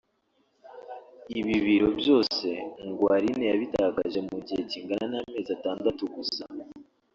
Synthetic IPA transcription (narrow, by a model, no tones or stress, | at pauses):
iβiβiɾo̞bjo̞ːse̞ŋɡwaːɾinejaβitaɡaʒe̞muɟihe̞ciːŋɡananaːme̞ːzataːndatuɡusa